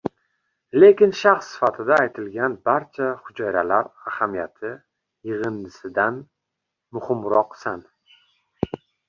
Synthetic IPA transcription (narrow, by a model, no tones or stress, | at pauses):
le̞kʲɪnʃaχsːɪ̥fat̪ʰɪd̪aːjt̪ʰɪlɡʲanbaɾt͡ʃʰahʊd͡ʒɒjɾalaɾahamijat̪ʰɪ | jɪʁɨnd̪ɪsɪd̪an | mʊhɪmɾɒqsan